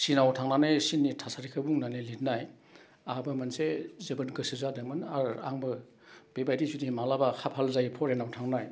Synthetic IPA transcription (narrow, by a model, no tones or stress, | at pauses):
sinawtʰaŋnanajsinːitʰasaɾikʰɯbuŋnanelit̚naj | abɐmɐnsezebɯnɡɯsizadɯŋmɯnaɾa̰ŋbɯ | b̥ebajdisudimalabakʰapʰalzajipʰɔɾenawtʰaŋnaj